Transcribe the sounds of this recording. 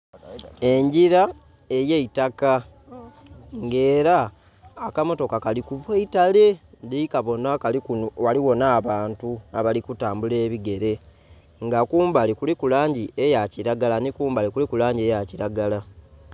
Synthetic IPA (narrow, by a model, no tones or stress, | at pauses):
e̞ɲɟiɾa | e̞jeitaka | ŋɡe̞ːɾaː | kamo̞to̞kakalikuvweitale̞ndiikaβo̞nakaliwaliwo̞naːβaːntuaβalikutaːmbule̞ːβiɡe̞ɾe̞ | ŋɡakuːmbalikulikulaːɲɟiejaciɾaɡalanikuːmbalikulikulaːɲɟe̞jaciɾaɡala